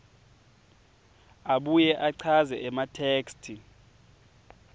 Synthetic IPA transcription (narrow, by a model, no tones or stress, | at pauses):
aɓujɛʔaǀʰazɛʔɛmatʰeːkstʰi